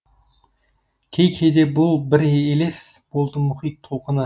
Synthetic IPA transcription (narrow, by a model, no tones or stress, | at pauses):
kʲʰejkʲʰejd̪ebʊlˠbɪɾeelesb̥o̞lˠd̪əmʊχijt̪ʰːoqənə